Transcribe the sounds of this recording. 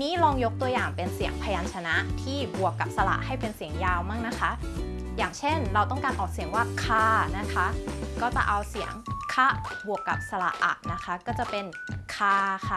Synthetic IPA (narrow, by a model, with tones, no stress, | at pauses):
niː˦˥ɾɔː˧ŋjo˦˥k̚t̪u˧əjaː˨˩ŋpe˧nsi˨˩˦əŋpʰa˧jaː˧nt͡ɕʰa˧na˦˥ʔt̪ʰiː˥˩bu˨˩əkːa˨˩p̚sa˧la̰˨˩ʔha˥˩jpe˧nsi˨˩˦əŋjaː˧wmaː˥˩k̚na˦˥kʰa˦˥ | jaː˨˩ŋt͡ɕʰe˥˩nɾa˧wt̪ɔ˥˩ŋkaː˧nʔɔː˨˩k̚si˩˦əŋwaː˥˩kʰaː˥˩na˦˥kʰa˦˥ʔkɔː˥˩t͡ɕa̰˨˩ʔa˧wsi˨˩˦əŋkʰa˦˥˩bu˨˩əkːa̰˨˩p̚sa˧la̰˨˩ʔʔa̰˨˩ʔ̚na˦˥kʰa˦˥kɔː˥˩t͡ɕa˨˩pe˧n | kʰaː˧xʰa˥˩